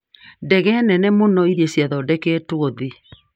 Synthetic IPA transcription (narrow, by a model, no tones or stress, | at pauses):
dɛɣɛnɛnɛmonɔiɾiesjaðɔdɛkeːtwoði